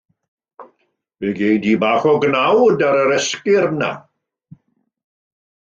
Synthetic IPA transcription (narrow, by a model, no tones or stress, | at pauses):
v̥eɡejdibaːχɔɡnawdaɾəɾɛskɪɾna̰